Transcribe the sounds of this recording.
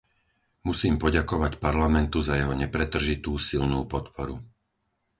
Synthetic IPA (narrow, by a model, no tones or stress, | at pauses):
musiːmpɔɟakɔʋacpaɾlamɛnt̪uzajɛɦɔɲɛpɾɛt̪r̩ʒit̪uːsilnuːpɔt̪pʰɔɾu